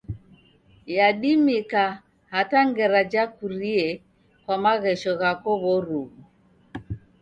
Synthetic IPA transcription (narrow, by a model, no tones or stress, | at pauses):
jaɗimika | hataŋɡɛɾad͡ʒakuɾiɛ | kwamaɣɛʃɔɣakɔβɔɾuɣu